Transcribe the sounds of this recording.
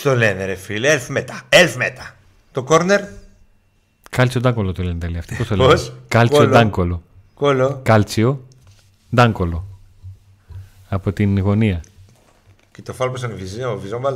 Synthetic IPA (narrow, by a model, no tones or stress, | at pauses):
t̪oleneɾefilelfmet̪ɐelfmet̪ɐ̥ | t̪okoɾneɾ | kɐlt͡siod̪ɐŋɡo̞lot̪olenet̪eliɐft̪ipost̪olskɐliod̪ɐŋɡo̞lo | kolokɐlt͡sio | d̪ɐŋɡo̞lo | ɐpo̞t̪inɣo̞niɐ | cet̪ofɐlposɐniviziɐovizombɐl